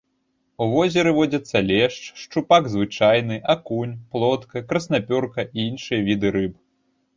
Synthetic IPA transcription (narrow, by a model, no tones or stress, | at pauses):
uvɔzʲɛɾɨvɔd͡zʲɐt̪sːɐlʲɛʂt͡ʂʂt͡ʂupaɡzvɨt͡ʂajn̪ɨʔakunʲplˠɔt̪kɐkɾɐsnapʲɔrkɐʔiinʂɨjɐvʲid̪ɨɾɨp